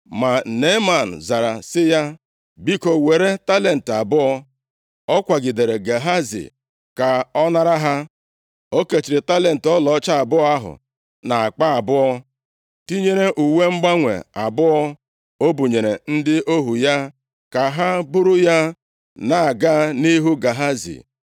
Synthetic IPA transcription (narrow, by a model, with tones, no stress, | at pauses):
ma˨ne˦ma˨n̩˨za˨ɾa̰˨sɪ˦ja˦ | bi˦ko˨we˨ɾe˦ta˦le˨n̩˨ta˨bʊ˦ɔ˦ | ɔ˦kʷa˨ɡɪ˨de˨ɾe˨ɡe˨ɦa˦zḭ˨ | ka˨ɔ˦na˦ɾa˦ɦa˦ | o˦ke˨t͡ʃi˨ɾɪ˨ta˦le˨n̩˨tɔ˦lɔ˨˦t͡ʃa˦a˨bʊ˦ɔ˦a˦ɦʊ̰˨ | na˨a˨k͡pa˦a˨bʊ˦ɔ˦ | ti˦ɲe˦ɾe˦ʔu˨we˦ŋ͡m̩˦ɡ͡ba˦ŋʷḛ˨a˨bʊ˦ɔ˦ | o˦bu˨ɲe˨ɾe˨n̩˦dɪ˦ʔo˦ɦu˨ja˦ | ka˨ɦa˦bʊ˦ɾʊ˦ja˦ | na˨a˨ɡa˦ni˦ɦu˦ɡa˨ɦa˦zḭ˨